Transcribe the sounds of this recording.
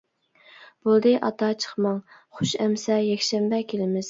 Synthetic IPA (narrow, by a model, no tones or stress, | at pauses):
b̥olˠd̪ɨʔɑt̪ɑt͡ʃʰə̥χmɑŋχʊʃɛmsɛjɛkʲʃɛmbɛkʲʰelɪmɪz̥